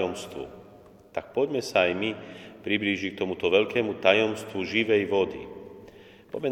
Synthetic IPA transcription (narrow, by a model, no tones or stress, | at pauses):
ɔmst̪ʋṵ | t̪ak̚pɔɟmɛsaːjmipɾibliːʒikt̪ɔmut̪ɔʋɛʎkɛːmut̪ajɔmst̪ʋuʒiʋɛjʋɔd̪ḭ | pɔɟmɛ